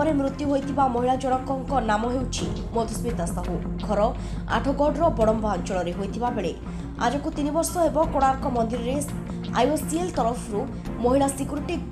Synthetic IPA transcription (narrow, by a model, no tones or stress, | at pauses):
ɔɾemɾut̪juɦojt̪ʰibamɔɦiɭad͡ʒɔɽ̃ɔkɔŋkɔnamɔɦewt͡ʃʰimɔt̪ʰusbit̪asaɦu | ɡʱɔɾɔ | a̰ʈʰɔɡɔɖɾɔbɔɽɔmbaɔnt͡ʃɔɭɔɾeɦojt̪ʰibabeɭe | a̰d͡ʒɔkut̪inibɔɾsɔɦebɔkoɽ̃aɾkɔmɔnd̪iɾɔɾe | a̰josielt̪ɔɾɔpʰɾu | mɔɦiɭasikuɾʈik